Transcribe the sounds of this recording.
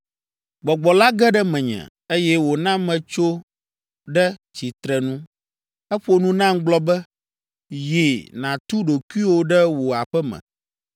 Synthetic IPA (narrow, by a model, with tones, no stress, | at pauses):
ɡ͡bɔ˨ɡ͡bɔ˨la˦ɡɛ˦ɖɛ˦mɛ̃˨ɲɛ̰̃˨ | e˦jɛ˦wo˨nã˦mɛ̃˨t͡ʃo˦ | ɖɛ˦t͡ɕi˨t̪ɾɛ˨nũ˦ | ɛ˦ɸo˦nũ˦nã˦ŋ˦ɡ͡blɔ˦bɛ˦ | je˨nã˨t̪u˦ɖo˨ku˦i˦wo˦ɖɛ˦wo˨a˨ɸɛ˦mɛ̰̃˨